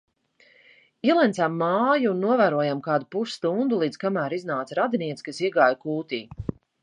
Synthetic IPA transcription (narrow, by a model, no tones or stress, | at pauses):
iɛlˠɛnt̪samːaːjunuɔvæːɾuɔjamkaːd̪upuʃst̪und̪ulˠiːd̪z̥kamæːɾiznaːt̪sɾad̪iniɛt̪skasiɛɡaːjkuːt̪iː